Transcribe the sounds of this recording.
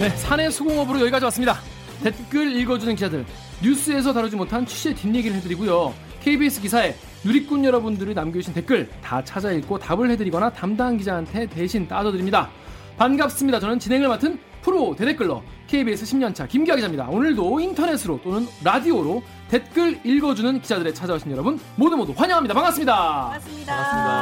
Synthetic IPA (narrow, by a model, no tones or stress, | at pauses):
ne̞sʰane̞sʰoɡoŋʌbɯɾojʌiɡad͡ʑʌwas͈ɯmɲida | te̞t̚k͈ɯɾiɭɡʌd͡ʑunɯnkid͡ʑadɯɭ | ɲus͈ʰɯe̞s̬ʰʌtaɾɯd͡ʑimotʰant͡ɕʰi̥ɕ͈ʰetiɲːeɡiɾɯɭhe̞dɯɾiɡujo | kʰeibies͈ʰɯkisʰae̞ | nuɾik̚k͈unjʌɾʌbundɯɾinamɡeuɕʰinte̞t̚k͈ɯɭtat͡ɕʰad͡ʑaiɭk͈otabɯɭhe̞dɯɾiɡʌnatamdankid͡ʑaːntʰe̞te̞ɕʰint͈ad͡ʑʌdɯɾimɲida | panɡap̚s͈ɯmɲidat͡ɕʌnɯnt͡ɕinɦe̞ŋɯɭmatʰɯn | pʰɯɾote̞de̞k͈ɯɭːʌ̰ | kʰe̞ibies͈ʰɯɕʰimɲʌnt͡ɕʰakimɡiaɡid͡ʑamɲida̰onɯɭdointʰʌne̞sʰɯɾot͈onɯnɾadioɾo | te̞t̚k͈ɯɭiɭɡʌd͡ʑunɯnkid͡ʑadɯɾe̞t͡ɕʰad͡ʑaoɕʰinjʌɾʌbunmodɯmodoɸwaɲʌɦamɲidapaŋas͈ɯmɲida | aas͈ɯmɲida̰